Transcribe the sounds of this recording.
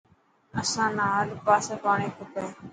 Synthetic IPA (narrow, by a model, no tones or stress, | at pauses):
əsãːnaːəlpaːseːpaːɳeːkʰʊt̪eː